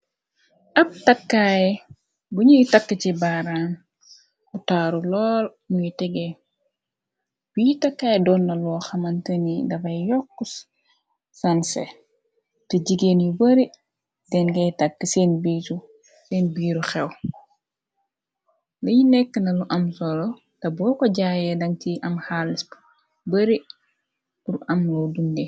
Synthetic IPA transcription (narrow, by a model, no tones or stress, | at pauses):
ʔɐp̚tɐkːaːjɛ | ɡuɲujtakːət͡ʃibaːɾaːn | utaɾulɔːl | nuitiɡɛ | wiitakːaːjɛdɔːnːɐlɔːxɐmɐntɐnidɐfɐjɔkːus | sansɛ̰ | tɐɟiɡenjibɐɾi | dɛnɡɐjtɐk̚ːəsenbiːtu | sɛːnbiːɾuxɛw | lɐjinɛkːənɐluʔɐmsɔlɔ | tɐbɔːkɔɟaːjɛdɐŋtiʔɐmhalisb | bɐɾi | uɾʔɐmlɔdundɛ